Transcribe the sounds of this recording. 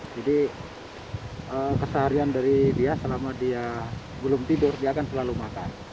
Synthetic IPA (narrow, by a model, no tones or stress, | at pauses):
d͡ʒadi | əkəsəɦaɾiandaɾibiasəlamadia | bəlʊmt̪idʊrdiaːkansəlalumakan